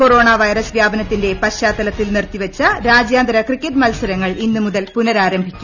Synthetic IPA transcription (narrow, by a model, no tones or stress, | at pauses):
koro̞ːɳaʋɐjrɐsʋjaːbɐnɐt̪ːinde̞pɐɕaːt̪ːɐlɐt̪ːilnirt̪ːiʋɐt͡ɕːɐɾaːd͡ʑjaːnd̪ɾɐkrikːɐʈmɐlsɐɾɐŋːɐɭinːɨmuðɐlpunɐɾaːɾɐmbʱikʲːum